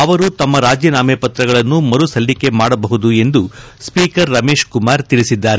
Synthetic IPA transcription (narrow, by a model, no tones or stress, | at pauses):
ɐʋɐɾut̪ɐmːɐɾaːd͡ʒjɐnaːmepɐt̪ɾɐɡɐɭɐnːumɐɾusɐlːike̞maːɽɐbɐɦud̪ue̞nd̪u | spiːkɐɾːɐme̞ːʃkumaːɾt̪iɭisid̪ːaːɾe